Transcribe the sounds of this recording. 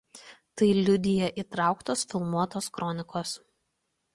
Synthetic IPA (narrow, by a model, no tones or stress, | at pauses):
t̪ɐɪlʲʊd̪ʲɪjɛʔiːˑt̪ɾɑˑʊkt̪oːsfʲɪlˠmuɔt̪oːskɾɔnʲɪkoːs